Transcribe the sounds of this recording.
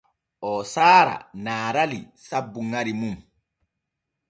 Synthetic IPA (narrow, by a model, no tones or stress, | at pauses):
ʔɔsaːɾa̰naːɾali | sabːuŋaɾimum